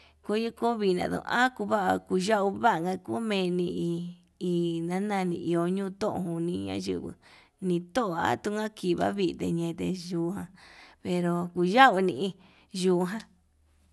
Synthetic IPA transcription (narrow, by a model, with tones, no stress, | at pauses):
ko˦ju˦ko˦βi˧nã̰˧˨ðõ̰˨˧˨ʔã˦ku˧βa˦ʔa˧ku˧ʒa˦ʔu˧βa˦ʔŋɡa˧ku˦mẽ˧nĩ˧i˧ | i˧˨nã˦nã˧nĩ˧˨ʔi˧o˧ɲũː˦˧t̪õ˦ʔõ̰˧hu˧nĩ˧ɲã̰˦ʒɨ̰˧˨βɨ̰˧ | nĩ˧t̪o˦ʔo˨a̰˦t̪u˧ŋã˦ki˨˧βa̰˦βi˧t̪ḛ˧ɲẽ˧t̪e˧ʒuː˨˧ɦã˧pe˧ɾo˧ku˧ʒa˦u˧nĩ˧ʔi˧ | ʒuː˨˧ɦã˧